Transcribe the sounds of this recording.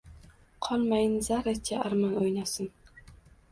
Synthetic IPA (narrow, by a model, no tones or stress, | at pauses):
qʰɒlˠmajɪnzaɾat͡ʃʲʰaaɾmanojnasɪn